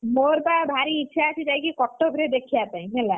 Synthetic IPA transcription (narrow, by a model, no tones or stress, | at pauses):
moɾbabʱaɾiːtːʃʰaːt͡ʃʰid͡ʒajkikɔʈːobʱɾed̪ekʰijat̪aĩɦela